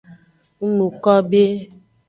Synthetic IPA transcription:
ŋu˦nũ˨kɔ˦be˦

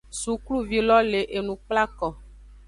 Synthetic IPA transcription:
su˨klu˦vi˦lɔ˦le˨ʔe˨nũ˨k͡pla˦kɔ˨

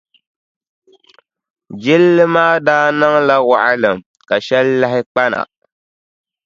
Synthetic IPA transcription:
d͡ʒɪ˦lːɨ˦maː˦daː˦na˦ŋla˦wa˨ʔa˦lɨ˨m˨ | ka˨ʃɛ˦lːa˦hɪ˦k͡pa˦na̰˨

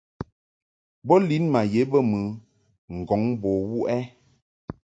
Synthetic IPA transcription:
bɔ˦li˨˦nma˨je˨˦bə˦mɨ˨ | ŋ̩˨ɡɔ˨˦ŋbɔ˨wu˦ʔɛ˦

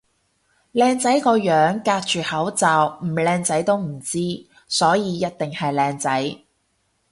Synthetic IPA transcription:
lɛː˧ŋt͡sɐ˨˥jkɔː˧jœː˨˥ŋkaː˧k̚t͡ʃyː˨˩hɐ˨˥wt͡saː˨wm̩˨˩lɛː˧ŋt͡sɐ˨˥jt̪o˥wm̩˨˩t͡siː˥ | sɔː˨˥jiː˨˧jɐ˥t̚t̪ɪ˨ŋhɐ˨jlɛː˧ŋt͡sɐ˨˥j

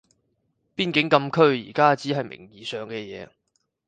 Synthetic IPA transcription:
piː˥nkɪ˨˥ŋkɐ˧mkʰɵ˥ɥjḭː˨˩kaː˥t͡siː˨˥ɦɐ˨jmɪ̰˨˩ŋjiː˨sœː˨ŋkɛː˧jɛ̰ː˨˧

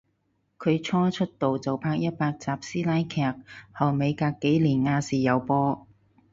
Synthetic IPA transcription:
kʰɵ˨˧ɥt͡ʃʰɔː˥t͡ʃʰɵ˥t̚t̪o˨wt͡sɐ˨wpʰaː˧k̚jɐ˥t̚paː˧k̚t͡saː˨p̚siː˥laː˥jkʰɛː˥k̚hɐ˨˩wme˨˧jkaː˧kːe˨˥jliː˨˩nŋaː˧siː˨˩jɐ˨˧wpɔː˥

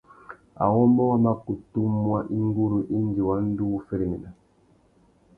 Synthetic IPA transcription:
a̰˨wɔ˦mɔ˦ma˦ku˨tu˦mwa˦ʔi˦ŋ˦ɡu˦ɾu˨ʔi˦n˦d͡ʒi˨wa˦n̩˦du˦˨fe˦ɾi˨mi˨na˨

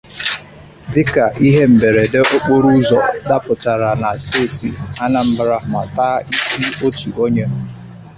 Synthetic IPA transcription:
dɪ˦ka˨ʔi˦ɦe˦m̩˨be˨ɾe˨de˦ʔo˦k͡po˦ɾu˦zɔ˨da˦pʊ˨t͡ʃa˨ɾa˨na˨steː˦˨ti˨a˦na˨m̩˦bɾa˦˨ma̰˨taː˦i˦ki˦o˦tu˨o˦ɲe˦

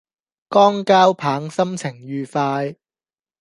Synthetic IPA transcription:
kɔː˥ŋkaː˥wpʰaː˨˧˥ŋsɐ˥mt͡sʰɪ˨˩ŋjyː˨˧faː˧j

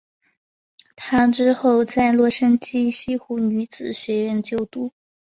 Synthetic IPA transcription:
t̪ʰa˥ʈ͡ʂɻ̩˥xo˥˧ʊt͡sa˥˧ɪlwɔ˥˩ʂə˥nt͡ɕi˥ɕi˥xu˧˥ny˧˥t͡sɹ̩˨˩ɕɥɛ˧˥ɥɛ˧nt͡ɕjo˥˩ʊt̪u˥˩

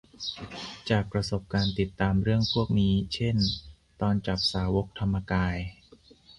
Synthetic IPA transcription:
t͡ɕaː˨˩k̚pɾa˧so˨˩p̚kaː˧nt̪i˨˩t̪ːaː˧mɾɯ˥˩əŋpʰu˥˩ək̚niː˦˥t͡ɕʰe˥˩n | t̪ɔː˧nt͡ɕa˨˩p̚saː˩˦wo˦˥k̚t̪ʰa˧mːa˧kaː˧j

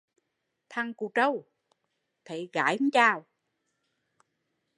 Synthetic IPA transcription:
t̪ʰa˧ŋku˧˩t͡ɕə˧w | t̪ʰe˨˩˦ɣa̰ː˨˩˦jhu˧˦t͡ɕaː˧˩w

